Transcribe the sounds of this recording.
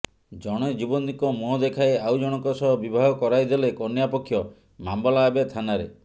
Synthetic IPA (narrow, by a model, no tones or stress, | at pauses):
d͡ʒɔɽ̃ɔd͡ʒibɔnd̪ikɔmuɦɔd̪ekʰaeawd͡ʒɔɽ̃ɔŋkɔsɔɦɔbibʱaɦɔkɔɾajd̪elekɔnjapɔkʰːjɔ | mambɔlaːbet̪ʰanaɾḛ